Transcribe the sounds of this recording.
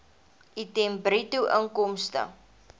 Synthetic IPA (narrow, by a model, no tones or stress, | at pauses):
ʔitɛmbɾituʔəŋkɔmstə̰